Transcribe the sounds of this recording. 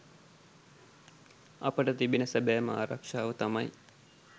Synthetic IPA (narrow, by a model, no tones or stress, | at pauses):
ɐpəʈət̪ibinəsəbæːma̰ːɾakʂaːʋət̪amaj